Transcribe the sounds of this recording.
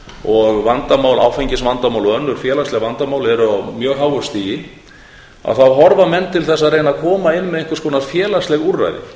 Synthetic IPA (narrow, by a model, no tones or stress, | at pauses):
ɔɣvant̪amaːwla̰ːwfejɲcɪsvant̪amawlɔœnːʏɾ̥fjɛːlast̪lɛɣvant̪amawlɛɾʏamjœːɣɦaːwɣʏst̪iːjɪ | a̰ðθawɦɔɾvamɛnːt̪ʰɪlθɛsːaɾreːjnakʰɔːmaɪnːmɛðeŋkʏ̥ɾskʰɔːnaɾfjɛːlast̪lɛɣurːa̰jðɪ̰